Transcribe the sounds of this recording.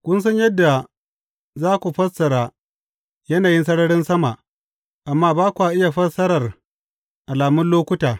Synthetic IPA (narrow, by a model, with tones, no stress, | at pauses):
kʷʊ˦ns̬ɐ˦ɲjɐ˦dːa˨ | zaː˦kʷu˨ɸɐ˦sɐ˨ɽaː˦ | jɐ˦naː˨jɪ˦ns̬ɐ˦ɽɐ˦ɽɪ˦nsɐ˦ma˨ʔ | ʔa˨mːaː˦baː˦kʷʔa˨ʔɪ˦ja˨ɸɐ˦sɐ˦ɽɐ˨r | ʔa˨laː˨mʊ˦nloː˦kʷʊ˦taː˨